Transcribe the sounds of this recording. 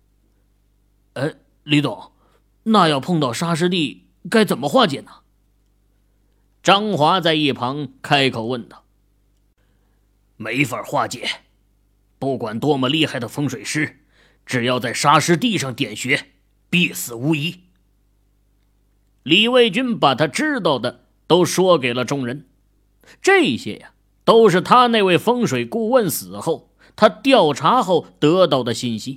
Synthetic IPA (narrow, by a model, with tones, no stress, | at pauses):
e˥ɪ | li˧˥t̪ɑ˨˩˦ | na˥˧jɑ˥˧ʊpʰɤ˥˧ŋt̪ɑ˥˩ʊʂa˥ʂ̬ɻ̩˥t̪̬i˥˩ | ka˥ɪt͡sə˨˩nmə˦xwa˥˩t͡ɕjɛ˨˩nə̥˩ | ʈ͡ʂɑ˥ŋxwa˧˥t͡sa˥˧ɪi˥˩pʰɑ˧˥ŋkʰa˥ɪkʰo˨˩ʊwə˥˩nt̪ɑ˥˩ʊ | me˧˥ɪfə˞˨˩xwa˥˩t͡ɕjɛ˨˩˦ | pu˥˩kwa˨˩nt̪wɔ˥mə˧li˥˧xa˥˩ɪd̪ə˩fɤ˥ŋʂwe˨˩ɪʂɻ̩˥ | ʈ͡ʂɻ̩˨˩jɑ˥˧ʊt͡sa˥˩ɪʂa˥ʂɻ̩˥t̪i˥˧ʂɑ˥˩ŋt̪jɛ˨˩nɕɥɛ˧˥ | pi˥˩sɹ̩˨˩u˧˥i˧˥ | li˨˩we˥˩ɪt͡ɕy˥npa˨˩t̪ʰa˥ʈ͡ʂɻ̩˥t̪̬ɑ˥˩ʊd̪ə˩ | t̪o˥ʊʂwɔ˥ke˨˩ɪlə˦ʈ͡ʂʊ˥ŋɻə˧˥n | ʈ͡ʂɤ˥˩˧i˨˩ɕjɛ̰˥ja˨ | t̪o˥ʊʂ̬ɻ̩˥˩t̪ʰa˥ne˥˧ɪwe˥˩ɪfɤ˥ŋʂwe˨˩ɪku˥˧wə˥˩nsɹ̩˨˩xo˥˩ʊ | t̪ʰa˥t̪jɑ˥˩ʊʈ͡ʂʰa˧˥xo˥˩ʊt̪ɤ˧˥t̪̬ɑ˥˩ʊd̪ə˩ɕi˥˩nɕi˥